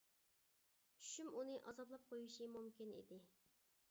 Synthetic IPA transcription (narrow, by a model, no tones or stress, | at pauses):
t͡ʃʰy̥ʃymunɨʔɑzɑblˠɑp̚qʰojuʃimumkʲinḭd̪ɪ